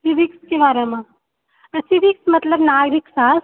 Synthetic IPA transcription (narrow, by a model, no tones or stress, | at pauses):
sibʱikskebaːɾemẽ | sibʱiksmɐt̪ləbnaɡɾiksas